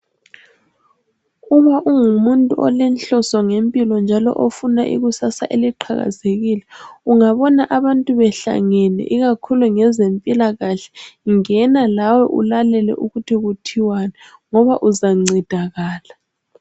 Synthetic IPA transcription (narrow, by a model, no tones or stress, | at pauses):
uβaʔuŋumuntʼuʔɔ̰lɛnɬɔsɔŋempʼilɔnd͡ʒʱalɔ̰ʔofunaʔiɣusasa̰ʔeliǃʰa̰ɣa̰zeɣilɛuŋaβɔnaʔaβantʼuβɛɬa̰ŋɛnɛ̰ʔiɣakʰuluŋɛzempʼilaɣaɬɛ̥ŋɛnalawɛʔṵlalɛlɛ̰ʔuɣutʰiɣutʰiwanaŋɔβaʔuzaŋ͡ǀʱid̥ʱaɣaːla